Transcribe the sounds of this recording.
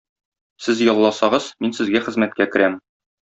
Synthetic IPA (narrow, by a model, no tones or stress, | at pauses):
sɘzjɒlˠːɑsɑʁɤz̥minsɘ̆zɡæχɘ̆zmæt̪̚kækɘ̆ɾæm